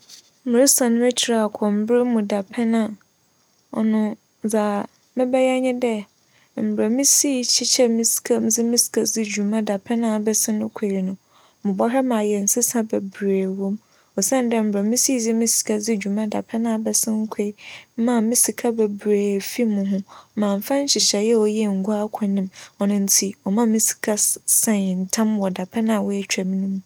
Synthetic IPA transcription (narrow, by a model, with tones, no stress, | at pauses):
m̩˦mɪ̃˨ɾɪ˦sã˨nʊ̃˦ɛ˦t͡ɕʰi˨ɾa˨a˨kʷʰɔ˨m̩˦bɾɪ˦mũ˨da˨pʰɛ˦nã˦ | ɔ̰˨nʊ̃˦ | d͡za˨ | mɪ̃˦bɛ˦jɛ˦ɲɪ̃˦dɛ˦ | m̩˨bɾa˨mĩ˦si˦t͡ɕʰi˦t͡ɕʰɛ˦mĩ˦si̥˨kʰa˦m˦d͡zɪ˦mĩ˦si̥˨kʰa˨d͡zɪ˦d͡ʑᶣu˨mã˦da˨pʰɛ˦nã˦˨a˨bɛ˦sɪ̃˦nʊ̃˦kʰe˨i˨nʊ̃˨ | mɪ̃˨bɔ˦ɦɛ˦mã˨jɛ˨n̩˨sɪ˦sã˦bɛ˨bɾeː˨wõ˦m | ɔ˨sã˦n˦dɛ̃˦m̩˦bɾa˨˦mĩ˦si˦d͡zɪ˦mĩ˦si̥˨kʰa˦d͡zɪ˦d͡ʑᶣu˨mã˦da˨pʰɛ˦nã˨bɛ˦sɪ̃˦ŋ̩˦kʰe˦i˨˦mã˨mĩ˦si˨kʰa˦bɛ˨bɾeː˨fi˦mʊ̃˨ɦʊ̃˦mãː˨m̩˨fã˦ɲ̩˦ɕɪ˨ɕɛ˨jɛ˦ɔ˨jɛ˦˨ŋ̩˨ɡu˦a˦kʰa˨nɪ̃˦mɔ˨nʊ̃˦n̩˦tʰi˨ɔ˨mã˦mĩ˦si̥˨kʰa˦sɛ̃˦n˨n̩˨tʰã˦mwɔ˨da˨pʰɛ˦nã˦˨a˨wɔ˦e˦t͡ɕᶣa˨mĩ˦nũ˦m̃˦